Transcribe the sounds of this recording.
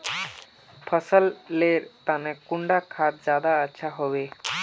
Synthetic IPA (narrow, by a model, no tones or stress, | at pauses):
pʰəsəlːeɾt̪anekuɳɖakʰad̪̚d͡ʑad̪aːʃʰaɦɔbe